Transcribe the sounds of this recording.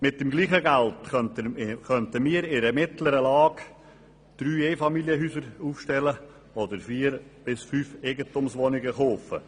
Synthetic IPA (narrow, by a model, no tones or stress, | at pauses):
mɪt̚dɪmɡliːχəɡæltχœntəkœntəmiːəɾɪɾəmɪtləɾəlɑːɡ | d̪̥ɾyːeːfɑmiljəɦyːsəɾuːfʃtɛlə | ɔdəɾfiːɾb̥ɪsfyːfeɡətʊmsʋɔnɪɡəχoːfə̰